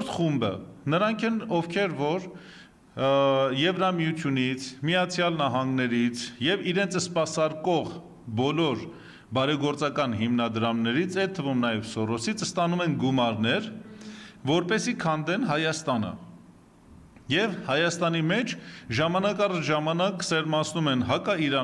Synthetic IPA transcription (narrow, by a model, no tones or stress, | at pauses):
ɾt̪χumbə̰nəɾɑŋkʰɛnɔvkʰɛɾvɔɾ | jɛvɾɑmijut͡sʰjunit͡sʰmijɑt͡sʰjɑlnɑɦɑŋɡnɛɾit͡sʰjɛviɾɛnt͡sʰəspɑsɑɾkɔʁ | bɔlɔɾ | bɑɾɛɡɔɾt͡sɑkɑnɦimnɑd̪ɾɑmnɛɾit͡sʰɛt̪ʰːəvumnɑjɛvsɔrɔsit͡sʰst̪ɑnumɛnɡumɑɾnɛɾ | vɔɾpɛsikʰɑnd̪ɛnɦɑjɑst̪ɑnə̰ | jɛvhɑjɑst̪ɑnimɛt͡ʃʰʒɑmɑnɑkɑrɑt͡ʃʰʒɑmɑnɑksɛɾmɑsʰnumɛnɦɑkɑiɾɑ